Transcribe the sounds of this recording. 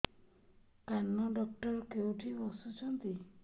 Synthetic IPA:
kanːɔɖɔk̚ʈɔɾkewʈʰibɔsut͡ʃʰɔnt̪i

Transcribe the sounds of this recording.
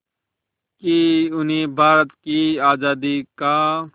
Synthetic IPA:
kiʊneːbʱaːɾət̪kiaːzaːd̪ikaː

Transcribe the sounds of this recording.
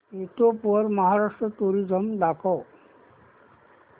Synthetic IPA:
et̪opuəɾmaɦaɾaʂʈɾət̪uɾid͡ʒəmd̪akɔ

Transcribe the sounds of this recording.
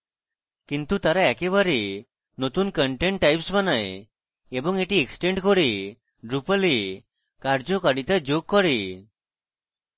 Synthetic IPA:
kint̪ut̪aɾaɛkebaɾe | not̪unkəɳʈeɳʈʈːajpsmanaj | ebɔŋeʈieksʈeɳʈkɔɾe | ɖɾupəli | kaɾd͡ʒɔkaɽit̪ad͡ʑoɡ̚kɔɾe

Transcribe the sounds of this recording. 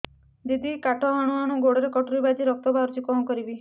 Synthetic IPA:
d̪id̪ikaʈʰɔɦaɽ̃ũɦaɽ̃ũɡoɽɔɾekɔʈɾibad͡ʒiɾɔk̚t̪ɔbaɾt͡ʃikɔmɔkɔɾibi

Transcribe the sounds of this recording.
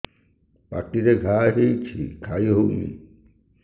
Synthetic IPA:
pa̰ʈːiɾeɡʱaɦejt͡ɕʰḭkʰajɦowmḭ

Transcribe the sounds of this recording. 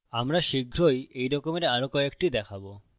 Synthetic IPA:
amɾaʃiɡʱɾojejɾɔkomeɾaɾokɔekʈid̪ɛkʰabo

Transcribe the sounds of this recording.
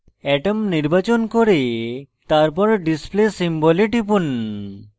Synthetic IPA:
ɛʈəmniɾbat͡ɕonkoɾe | t̪aɾpɔɾɖisplesimboleʈipun

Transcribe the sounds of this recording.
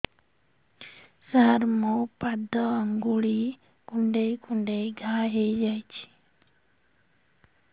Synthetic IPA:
səɦəɾmõpad̪ʱəəŋɡuɭi | kuɳɖeikuɳɖejɡʱãɦejd͡ʒajt͡ʃʰi̥

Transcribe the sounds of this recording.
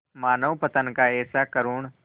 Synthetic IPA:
maːnəʋpɐt̪ənkaɛːsakəɾuːɳ

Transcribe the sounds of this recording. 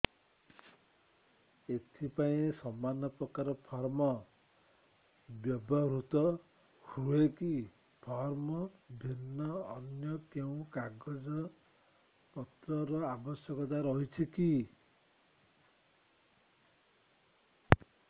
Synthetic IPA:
et̪ʰipaĩsɔmːanɔpɾɔkaɾɔpʰɔɾmɔ | bjɔbɔɾut̪ɔ | hueki | pʰɔɾmɔbʱinːɔːnjɔt̪eũkaɡɔd͡ʒɔ | pɔt̪ɾɔɾɔabɔsjɔkɔt̪̬aɾɔɦit͡ʃʰiki

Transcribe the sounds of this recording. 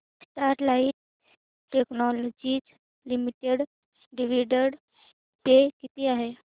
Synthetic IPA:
sʈaɾʈlaiʈ̚ | ʈeknɔlɔd͡ʒit͡s | limiʈeɽ | ɖiʋiɖəɽ | pekit̪iaɦe

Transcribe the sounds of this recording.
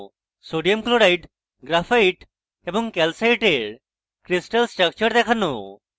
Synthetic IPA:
soɽijəmkloɾaiʈ | ɡɾafaiʈ | ebəŋɡkɛlsaiʈeɽ | kɾisʈəlsʈɾək̚t͡ɕəɾd̪ɛkʰanːo̰

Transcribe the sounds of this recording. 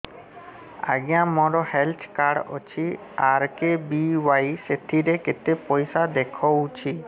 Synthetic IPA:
a̰ɡjãmɔɾɔhelt̪ʰkaɽɔ̰t͡ʃʰi | aɾkebiwajset̪ʰiɾeket̪epɔjsad̪ekʰɔwt͡ʃʰi

